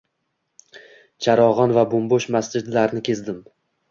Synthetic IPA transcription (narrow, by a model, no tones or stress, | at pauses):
t͡ʃʰaɾɒʁɒnvabomboʃmasd͡ʒɪd̪laɾnɪkʲʰe̞zd̪ɪm